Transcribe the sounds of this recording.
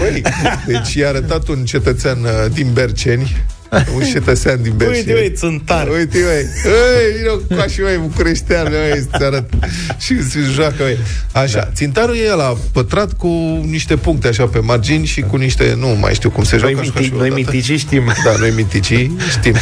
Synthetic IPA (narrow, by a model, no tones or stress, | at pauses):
əjd̪e̞t͡ʃʲjeaɾət̪at̪unt͡ʃe̞t̪ət̪seand̪inbe̞rt͡ʃe̞nʲ | unt͡ʃe̞t̪ət̪seand̪inbejiəjt̪sɨnt̪aɾujt̪ivəjəjvinokkaʃivajbukuɾeʃt̪eaɾajest̪saɾət̪ | ʃisiʒoakəəjaʃa̰t̪sint̪aɾujeelapət̪ɾat̪kuniʃt̪e̞puŋk̚t̪eaʃape̞mard͡ʒinʲʃikuniʃt̪e̞̰numa̰jʃt̪iwkumseʒwajinojamit̪it͡ʃiʃt̪imd̪anojmint̪it͡ʃi | ʃt̪im